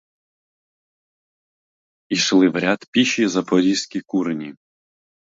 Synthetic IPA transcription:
iʃlˠɪʋɾʲat̪pʲiʃizɐpɔɾʲisʲkʲikuɾnʲi

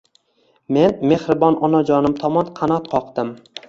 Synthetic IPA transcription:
me̞nme̞hɾɪbɒnɒnad͡ʒɒnɪmt̪ʰɒmɒnqʰɑnɒt̪qʰɒqd̪ɪm

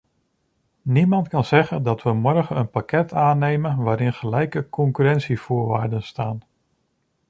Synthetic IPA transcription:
nimɑntkɑnzɛχəndɑtʋəmɔɹχənənpakɛtʰaːnejmənʋaːɾɪnχəlɛjkəkʰɔŋkyɾɛntsifʊːɹʋaːɹdənstaːn

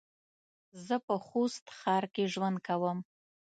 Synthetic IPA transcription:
zəpəxost̪xɑɾkeʒwand̪̚kawəm

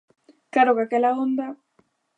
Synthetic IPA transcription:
kaɾokakelaond̪a

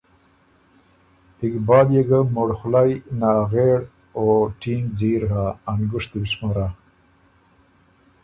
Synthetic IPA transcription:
ɪkbɑːd̪jeɡamoɽxlajnɑːɣeɽ | oːʈiːŋɡd͡ziːɾɦaːnɡʊʂt̪ibiʂmaɾa

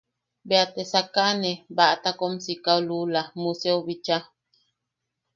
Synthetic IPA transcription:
beat̪esakaʔnebaʔt̪akomsikaolulamuseoβit͡ʃa

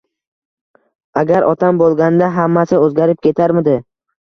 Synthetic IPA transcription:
aɡʲaɾʔɒt̪ʰambolˠɡʲand̪aɦamːasɪɵzɡʲaɾɪp̚kʲʰe̞t̪ʰaɾmɪd̪ɪ

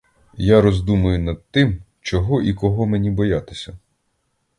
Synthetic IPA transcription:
jaɾɔzd̪umʊjʊnɐd̪̚t̪ɪm | t͡ʃɔɦɔʔikɔɦɔmenʲibɔjat̪ɪ̥sʲɐ

